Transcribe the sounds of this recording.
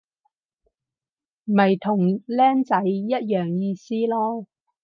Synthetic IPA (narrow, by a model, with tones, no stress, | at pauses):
mɐ˨˩jt̪ʰʊ˨˩ŋlɛː˥nt͡sɐ˨˥jːɐ˥t̚jœː˨˩ŋjiː˧siː˥lɔː˥